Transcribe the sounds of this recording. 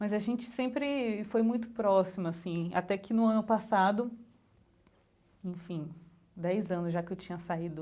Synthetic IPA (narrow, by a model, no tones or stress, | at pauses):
mɐzɐʒẽnt͡ʃɪ̥sẽmpɾɪfojmũj̃t̪ʊ̥pɾɔsimʊasĩa̰t̪ɛkɪnʊɐ̃nʊpasad̪ʊ | ẽj̃fĩ | d̪ɛjzɐ̃nʊzʒakɪewt͡ʃĩɲɐsaid̪ʊ